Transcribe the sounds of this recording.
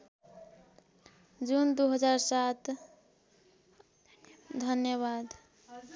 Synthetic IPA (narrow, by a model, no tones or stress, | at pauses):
d͡ʒund̪uɦəd͡ʒaɾsat̪ | d̪ʱənjəβad̪